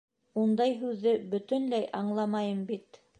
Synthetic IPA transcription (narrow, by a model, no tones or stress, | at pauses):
und̪ɑjɦʉðːɘbɵ̆t̪ɵ̆nlæjʔɑɴlˠɑmɑjɤmbit̪